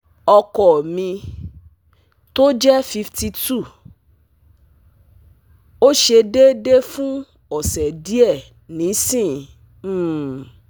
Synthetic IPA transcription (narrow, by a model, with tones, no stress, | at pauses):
ɔ˧kɔ˨mĩ˧ | to˦d͡ʒɛ˦fi˧fti˧tu˦˨ | o˦ʃe˧de˦de˦fũ˦ | ɔ˨sɛ˨di˦ɛ˦˨ | nĩ˨˦sĩ˦˨˦